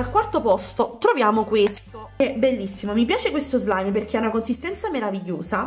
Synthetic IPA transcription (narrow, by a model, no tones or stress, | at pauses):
alkwart̪opɔst̪ot̪ɾovjaːmokwest̪oɛbːelːisːimomipjaːt͡ʃekwest̪ozlajmperk̟eaunakonsist̪ɛnt̪sameɾaviʎːoːsa